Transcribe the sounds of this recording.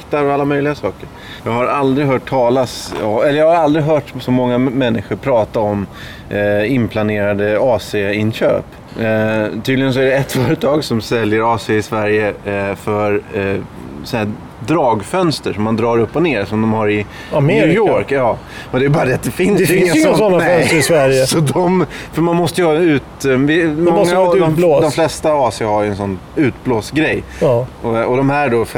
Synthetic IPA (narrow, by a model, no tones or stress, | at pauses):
kt̪aɾɔalːamœjlɪɡasɑːkəɾ | jɑːɡhaɾald̪ɾɪɦœːʈ̚ʰːɑːlasɔmɛlːəjɑɡhaɾald̪ɾɪɦœːʈsɔmɔŋːamɛnːɪɧʊɾpʰɾɑːt̪aɔm | ɪmpʰlaneːɾad̪əɑːseɪnːɕø̰ːp | t̪ʰyːd̪lɪɡəns̬ɔæɖɛɛt̪fœːɾət̪ʰɑːɡsɔmsɛljəɾɑːseɪsvæɾjəfœɾ | sɔnæː | d̪ɾɑːɡfœnst̪əʂɔmːand̪ɾɑːɾɵpːɔneːɾsɔmd̪ɔmhaɾɪ | amʉjoɾkjɑː | ɔd̪ɛjbɑːɾad̪ɛat̪d̪ɛfɪnsːsɔnːafœsɾɪsvæɾjəsɔd̪ɔmfœɾmanmɔst̪əjəhɑɛʉ̟ːt̪vɪmɔŋːad̪ɔd̪ɔmflɛst̪avɑːsɪahaɾjʉɛnsɔnː | ʉ̟ːt̪bloːsɡɾɛj | ɔɔd̪ɔmhæːɖɔf